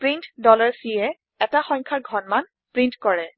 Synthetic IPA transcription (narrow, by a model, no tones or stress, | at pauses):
pɹintdɔlaɹsiɛ | ɛtaxɔɲkʰaɹɡʱɔnman | pɹintkɔɹɛ